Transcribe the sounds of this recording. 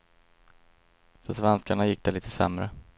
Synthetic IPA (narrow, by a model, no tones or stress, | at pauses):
fœʂvɛnskaɳajɪk̚ːd̪̥ɛliːt̪ʰəsɛmɾə̰